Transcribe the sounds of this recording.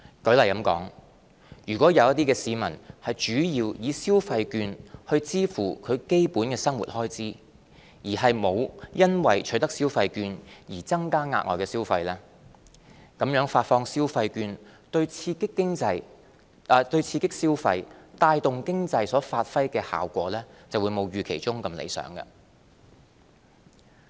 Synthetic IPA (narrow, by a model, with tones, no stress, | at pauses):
kɵ˨˥ɥlɐ˨˩jkɐ˨˥mkɔ̰ː˨˥ŋ | jyː˨˩kʷwɔː˨˥jɐ˨˧wjɐ˥t̪iː˥kɛː˧siː˨˧mɐ̰˨˩nhɐ˨jt͡ʃyː˨˥jiː˧wjiː˨˧siː˥wfɐ˧jkyː˧nhɵ˧ɥt͡siː˥fṵː˨˩kʰɵ˨˧ɥke˥jpuː˨˥nkɛː˧sɐ˥ŋwṵ˨˩t̚hɔː˥jt͡siː˥ | jiː˨˩ɦɐ˨jmo˨˧wjɐ˥nwɐ̰˨jt͡ʃʰɵ˨˥jt̪ɐ˥k̚siː˥wfɐ˧jkyː˧njiː˨˩t͡sɐ˥ŋkaː˥ŋaː˧ŋɔ̰ː˨˩kɛː˧siː˥wfɐ˧jlɛː˥ | kɐ˨˥mjœː˨˥ŋfaː˧t̚fɔː˧ŋsiː˥wfɐ˧jkyː˧nt̪ɵ˧ɥt͡sʰiː˧kɪ˥kːɪ˥ŋt͡sɐ˧j | t̪ɵ˧ɥt͡sʰiː˧kɪ˥k̚siː˥wfɐ̰˧jt̪aː˧jt̪ʊ˨ŋkɪ˥ŋt͡sɐ˧jsɔː˨˥faː˧t̚fɐ˥jkɛː˧ha̰ː˨˩wkʷɔ̰ː˨˥lɛː˥t͡sɐ˨wu˨˧jmo˨˧wɥyː˨˩kʰe˨˩jt͡ʃʊ˥ŋkɐ˧mlḛ˨˧jsœ̰ː˨˥ŋkɐ̰˧